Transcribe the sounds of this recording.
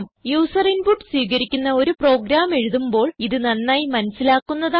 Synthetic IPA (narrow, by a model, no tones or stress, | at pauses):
mjuːsɐrinbuʈːswiːɣɐɾikʲːunːɐo̞ɾupro̞ːɡɾaːme̞ɻuðumbo̞ːɭiðɨnɐnːaːjmɐnɐsːilaːkːunːɐða